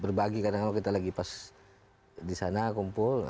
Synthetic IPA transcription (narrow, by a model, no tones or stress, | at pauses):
bərbaɡikadaŋalokit̪alaɡipas | disanakɔmpɔl